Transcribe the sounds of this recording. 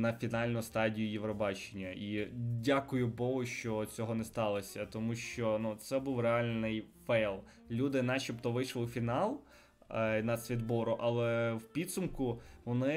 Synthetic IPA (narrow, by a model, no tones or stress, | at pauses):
nɐfʲinɑlʲnʊst̪ɑdʲijʊjiʋɾɔbɑt͡ʃenʲːɐidʲakʊjʊbɔɦʊʃt͡ʃɔt͡sʲɔɦɔnɛst̪ɑlˠɔsʲɐt̪ɔmuʃt͡ʃɔnut̪sɛbuwreɑlʲnɪj | fɛjlˠ | lʲud̪ɪnɑt͡ʃɔpt̪ɔʋɪjʃlˠɪfʲinɑlˠ | nɐsʲʋʲid̪bɔɾʊʔɐlˠɛwpʲid̪sʊmkʊʋɔnɪ